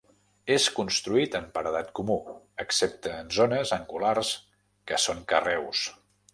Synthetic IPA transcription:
eskunst̪ɾuit̪əmpəɾəðat̪kumu | əksep̚t̪əːnzonəzəŋɡulars | kəsoŋkərɛws

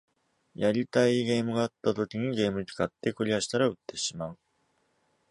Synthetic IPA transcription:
jaɾʲit̪aiɡe̞ːmɯ̟ɡaːt̪ːat̪o̞kʲiɲ̟iɡe̞ːmɯ̟ɲt͡sɨ̥kat̪ːe̞kɯ̟ɾʲiaɕi̥t̪aɾaɯ̟t̪ːe̞ɕimaɯ̟

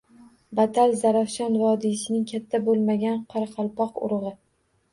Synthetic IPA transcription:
bat̪ʰalzaɾafʃanvɒd̪ɪsɪnɪŋkʲʰat̪ʰːabolˠmaɡʲanqʰɑɾɑqʰɑlˠpɒqʊ̰ɾʁɨ

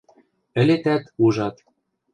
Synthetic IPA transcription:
ɘ̆let̪æt̪uʒɑt̪

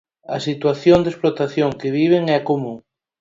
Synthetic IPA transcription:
ɐsit̪waθjõnd̪esplot̪aθjoŋkeβ̞iβ̞eŋɛakomũŋ

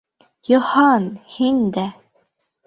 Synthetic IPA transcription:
jŏhɑnhind̪æ

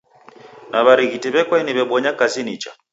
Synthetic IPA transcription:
naβaɾiɣitiβɛkwɛniβɛɓɔɲakazinit͡ʃa

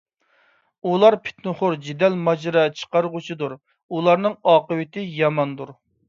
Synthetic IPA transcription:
ulˠɑɾpʰe̥t̪nʊχʊɾd͡ʒid̪ɛlmɑd͡ʒɾɑt͡ʃʰə̥qɑɾʁʊt͡ʃʰid̪uɾ | ulˠɑɾnɨŋɑːqəwɪt̪ʰɪjɑmɑnd̪uɾ

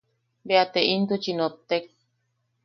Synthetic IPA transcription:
beat̪eint̪ut͡ʃinot̪ek̚

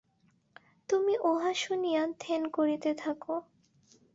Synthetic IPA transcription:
t̪umiʔoɦaʃunijat̪ʰenkoɾit̪et̪ʰako

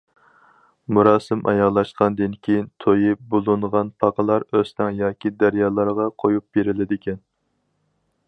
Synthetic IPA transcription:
muɾɑːsɪmʔɑ̰jɑʁlˠɑʃqʰɑnd̪ɪnkʲʰejint̪ʰojɪbolˠunʁɑnpʰɑqəlˠɑɾøst̪æŋjɑːkʲid̪æɾjɑːlˠɑɾʁɑqʰojup̚b̥eɾɪlɪd̪ɪkʲʰɛn

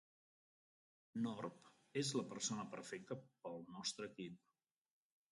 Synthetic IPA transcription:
nɔrp | ezləpəɾsonəpəɾfɛk̚t̪əpəlˠnɔst̪ɾəːkip̚

